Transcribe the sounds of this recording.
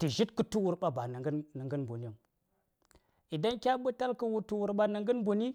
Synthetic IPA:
ti˨ʒi˦tkə˦tu˦wu˦ɾɓa˦ba˨nə˨ŋɡnə˨ŋɡə˦nbu˨ni˦ŋ | i˨da˦nkʲa˦ɓɨ˦ta˦lkə˦wu˨tu˨wu˨ɾɓa˦nə˨ŋɡə˦nbu˨ni˦

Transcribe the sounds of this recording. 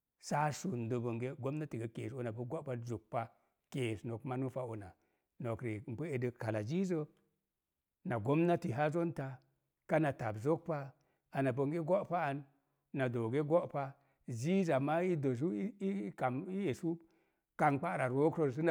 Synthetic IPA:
sa˦su˨n˨do˨bo˨ŋɡe˦ɡo˦mna˦ti˨ɡə˨kḛ˨so˦na˨pə˦ɡo˦pa˦zu˨k̚pa˦ | ke˨sno˨kma˦nu˦fa˦o˨na˨ | no˨kɾe˨m̩˨pə˦e˨də˨ka˨la˨d͡ʒi˦zə˦ | na˨ɡo˦mna˦ti˨ɦa˦zo˦nta˨ | ka˦na˨ta˨bzo˦k̚pa˦ | a˨na˨bo˨ŋɡe˦ɡo˦pa˦a˨nː | a˨do˨ɡe˦ɡo˦ʔpa˦ | d͡ʒi˦za˨ma˦i˦do˨s̬u˦i˦ka˨mi˦e˨su˦ | ka˨ŋk͡pa˦˨ɾa˨ɾo˦kɾo˦˨s̬ə˦n˨

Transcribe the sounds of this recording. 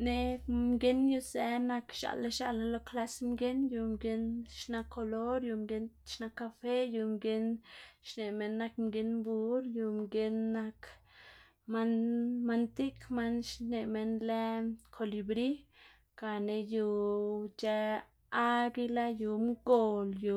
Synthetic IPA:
ne˧mɡe˦nju˧se˨na˧kʃa̰˧˨la˦ʃa̰˧la˧lo˧kla˦smɡe˦nju˧mɡe˧˦nʃna˧kʰːo˧lo˦ɾju˧˨mɡe˦nʃna˧kːa˧fe˦ju˧˨mɡe˧˦nʃne˨me˧nːa˧kmɡe˧nbu˧˦ɾju˨mɡe˧˦nːa˧k | ma˧nma˧nt̪i˦kma˦nʃne˨me˧nle˦kʰo˨li˧bɾi˦ | ka˨ne˧ju˧t͡ʃe˧ | a˦ɡi˧la˦ju˨mɡo˨lju˨

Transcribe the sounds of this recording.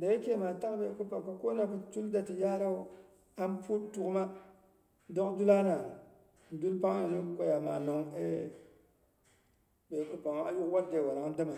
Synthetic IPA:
da˨jɛ˦kɛ˦maː˨ta˦ʔbɛ˨kɨ˦pa˨ŋ˨ka˨ko˦na˨kɨ˨˦tu˦lda˨tɨ˨jaː˦ɾa˦ʊ˦ | a˦m˦pu˦tu˦ɡma˦ | dɔ˦ʔdu˦laː˦na˨ | n̩˨du˦lpa˦ŋ˦na˨nɨ˦ko˦ja˨ma̰˨nɔ˨ŋɛ˦ | bɛ˨kɨ˦pa˨ŋa˦ju˦ʔwa˦ɾde˨wa˨la˨ŋ˦dɨ˦ma˨

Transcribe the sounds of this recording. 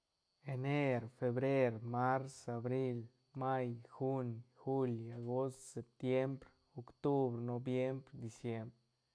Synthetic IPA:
e˧ne˦ɾfe˧bɾe˦ɾma˦ɾsa˨bɾi˦l | ma˦jxu˦nxu˦la˨ɡo˦st̪se˨p̚t̪je˦mbɾ | o˨kt̪u˦bɾno˧bje˦mbɾd̪i˨sje˦mbɾe

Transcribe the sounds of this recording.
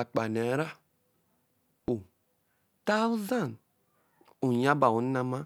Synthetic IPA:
a˨k͡pa˨nɛ˨˦ɾa˦ | u˨ | ta˦u˦za˦˨n | u˨ja˦ba˨wu˨n˦na˦mã˦

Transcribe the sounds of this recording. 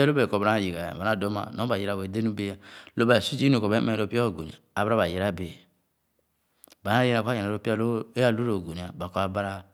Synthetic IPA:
ɛ˦lo˦e˨ko˨ba˨ɾa˦˨ji˨ɡa˨ja̰˨ba˨a˦˨do˨˦ma̰˨no˨˦ba˨ji˨ɾa˨wo˨de˦nu˦be˦a˨lo˦ba˨su˦d͡ʒi˦u˨ko˨be˦me˦˨ɾo˦˨pi˦a˦o˨ɡo˨ḭ˨aː˨bɾa˦ba˨je˨ɾa˦˨be˨ | ba˨n˦a˦je˦˨a˨ka˦je˨a˨ɾo˦pi˦a˦˨lo˦e˦a˦˨lu˦ɾo˨ɡo˨ni˨a˨ba˨ko˨˦a˨ba˦ɾa˦

